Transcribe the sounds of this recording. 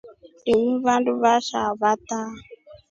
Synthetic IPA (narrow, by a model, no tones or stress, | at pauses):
ɾimiβanduβaʃaβata